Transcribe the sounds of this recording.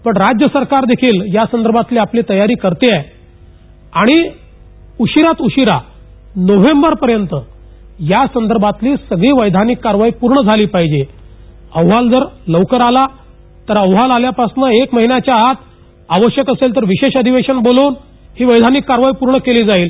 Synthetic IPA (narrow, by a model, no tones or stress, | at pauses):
pəɳɾad͡ʑjəsəɾkaɾd̪ekʰiːljasənd̪əɾbʱat̪liːapliːt̪əjaɾiːkəɾt̪iaj | aɽ̃i | uɕiɾat̪uɕiɾa | noʋ̤embəɾpəɾjənt̪ə | jasənd̪əɾbʱat̪liːsəɡɭiːʋəjd̪ʱanikːaɾʋaipuɾɳəd͡zʱaliːpaɦid͡ʑe | əwɦald͡zəɾləwkəɾala | t̪əɾəwɦalaljapasnəekməɦinjat͡ɕjaɦat̪ | aʋəɕjəkəselt̪əɾʋiɕeɕəd̪ʱiʋeɕənboloːn | hiːʋəjd̪ʱanikːaɾʋaipuɾɳəkeliːd͡zaiːl